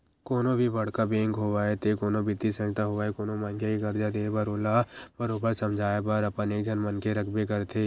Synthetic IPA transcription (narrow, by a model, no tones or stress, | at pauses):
koːnõbʱibɐɽkabẽːŋkɦoːʋaːet̪ekoːnõbɪd̪isə̃d͡ʒt̪aɦoʋaːekoːnomãnkjekiɡɐɾd͡ʒad̪eːbəɾoːlabəɾoːbəɾsəmd͡ʒʱaːebəɾəpənekd͡ʒʱənmənkeɾəkʰbekəɾt̪ʰeː